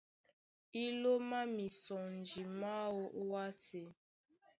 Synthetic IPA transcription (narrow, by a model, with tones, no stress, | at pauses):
i˦lo˦ma˦mi˨sɔ˨n˨d͡ʒi˨ma˦wo˦ʔwa˦se˨